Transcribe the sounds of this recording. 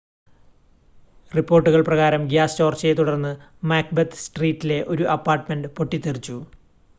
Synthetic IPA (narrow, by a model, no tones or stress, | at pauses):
ripːo̞ːrʈːuɣɐɭprɐɣaːɾɐmɡjaːst͡ɕo̞ːrt͡ɕːɐet̪uɽɐrnːɨ | maːk̚bet̪ːsʈriːtːile̞ʔo̞ɾuʔɐpːaːrʈmeɳɖɨpo̞ʈːit̪ːirit͡ɕːu